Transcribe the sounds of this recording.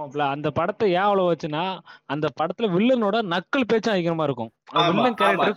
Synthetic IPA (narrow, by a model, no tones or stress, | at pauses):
plaːɐnd̪ɐpɐɽɐt̪ːɐjaːɐʋɐɭõʋɐt͡ʃːɯnːaːɐnd̪ɐpɐɽɐt̪ːɪlɐʋɪɭːɐnoːɽɐnɐkːɐɭpeːt͡ʃːãːɪkːɪɾɐmaːɪɾɯkːʊ̃ɐɐʋɪɭːɐnkɐɪɾ